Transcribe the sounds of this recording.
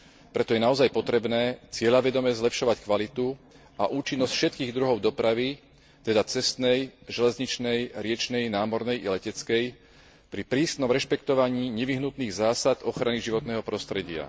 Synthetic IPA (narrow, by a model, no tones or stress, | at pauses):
pɾɛt̪ɔjɛnaɔzajpɔt̪ɾɛbnɛːt͡sɪɛʎaʋɛd̪ɔmɛzlɛpʃɔʋackʋalit̪u | aʔuːt͡ʃinːɔscfʃɛt̪̚kiːɣd̪ɾuɦɔʊd̪ɔpɾaʋi | t̪ɛd̪at͡sɛst̪nɛjʒɛlɛzɲit͡ʃnɛjɾɪɛt͡ʃnɛjnaːmɔɾnɛjʔḭlɛcɛt͡skɛj | pɾipɾiːsnɔmɾɛʃpɛkt̪ɔʋaɲiːɲɛʋiɦnut̪niːɣzaːsad̪ɔxɾaniʒiʋɔt̪nɛːɦɔpɾɔst̪ɾɛɟɪa̰